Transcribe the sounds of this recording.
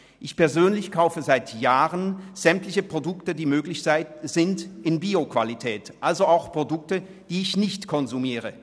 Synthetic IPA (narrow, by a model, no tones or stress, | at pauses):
ʔɪçpɛɐzøːnlɪçkʰaʊfəzaɪtʰjaːʁənz̥ɛmtlɪçəpʁ̥odʊktədiːmøːɡlɪçzɪz̥ɪntɪnbiːokv̥alitʰɛːtʔalzoaʊxpʁ̥odʊk̚tə | d̥iːɪçnɪçtkʰɔnzumiːʁə